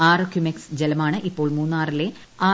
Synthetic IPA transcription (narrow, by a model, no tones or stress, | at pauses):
aːrɐkjumeksd͡ʑelɐmaːɳɨʔipːo̞ːɭmuːnːaːrile | aː